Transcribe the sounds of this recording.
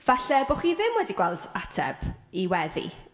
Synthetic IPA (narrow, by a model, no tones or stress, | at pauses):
v̥aɬɛboχiðɪmwɛdiɡ̥wɛlˠdatʰɛ̰b̥iwɛðḭ